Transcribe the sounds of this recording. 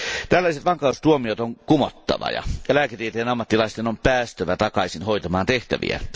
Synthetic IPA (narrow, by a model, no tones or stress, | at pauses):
t̪ælːæˑiset̪ʋɑŋkɑˑust̪uomiot̪oŋkumot̪ːɑ̰ʋɑ̰jɑ̰elæket̪iet̪ejenɑmːɑt̪ːilɑˑist̪enompæːst̪øʋæt̪ɑkɑsinhoˑit̪ɑmɑːnt̪eht̪æʋḭæ̰